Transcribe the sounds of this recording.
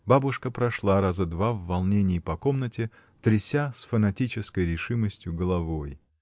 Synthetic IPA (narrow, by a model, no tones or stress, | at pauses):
babʊʂkəpɾɐʂlˠaɾazəd̪vavːɐlˠnʲenʲɪːpɐko̞mnətʲɪ | t̪ɾʲɪsʲasfənɐtʲit͡ɕɪskəjɾʲɪʂɨməsʲtʲjʊɡəlˠɐvo̞j